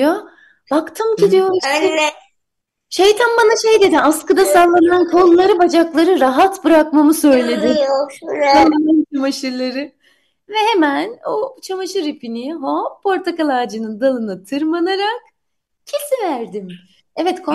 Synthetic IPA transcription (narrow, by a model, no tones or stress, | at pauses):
jo | bakt̪ʰɯmcid̪ijo̞ɾɛ | ʃe̞jt̪ʰænbanaʃejd̪e̞d̪imaskɯd̪asalˠːanɯankʰo̞lˠːaɾɯbad͡ʒaklˠaɾɯɾaɦat̪bɯɾakmamɯsø̞jlʲe̞d̪ɪmjoaanant͡ʃʰamaʃɯɾlˠaɾɯ | vɛhe̞mænot͡ʃʰamaʃɯɾepiniɦopʰo̞ɾt̪ʰakalˠaːd͡ʒɯnɯnd̪alˠɯnɯt̪ʰɯɾmanaɾak̚ | cʰisivæɾd̪im | ɛvɛt̪kʰo